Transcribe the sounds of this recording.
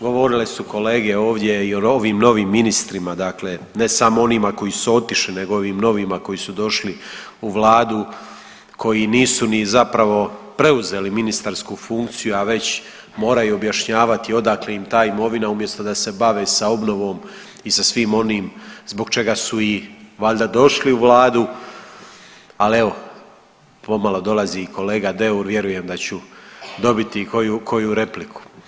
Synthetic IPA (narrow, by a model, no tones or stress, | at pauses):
ɡo̞ʋo̞ɾilesuko̞le̞ːɡe̞o̞ːʋd̪je̞io̞oʋiːmno̞ʋiːmːinist̪ɾimad̪akle̞ | ne̞samo̞o̞nimako̞isuo̞t̪iʃline̞ɡo̞o̞ʋiːmno̞ʋimako̞jisud̪o̞ʃli | uʋlˠaːd̪u | kʰo̞jiniːsunizapɾaʋo̞pɾe̞uze̞ːliminist̪aɾskufuŋkt̪sijuaʋe̞t͡ɕ | mo̞ːɾajuobjaʃɲaːʋat̪io̞d̪akleimt̪aːimo̞ʋinaumje̞st̪o̞d̪ase̞baʋesao̞bno̞ʋo̞ːm | isasʋiːmo̞niːmzbo̞ɡt͡ʃe̞ɡasuiʋaʎʲd̪ad̪o̞ʃliuʋlˠaːd̪u | ale̞ʋo̞ | po̞malo̞d̪o̞laziːkʰo̞le̞ːɡad̪e̞uɾʋje̞ɾuje̞md̪at͡ɕud̪o̞bit̪ikojukʰo̞juɾe̞plikʰu̥